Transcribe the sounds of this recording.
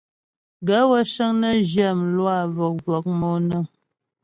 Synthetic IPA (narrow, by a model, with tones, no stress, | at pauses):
ɡə˨˦wə˦ʃə˦ŋnə˦ʒjɛ˦˨m˨lwa˦˨vɔ˨k̚vɔ˨k̚mo˦nə˦˨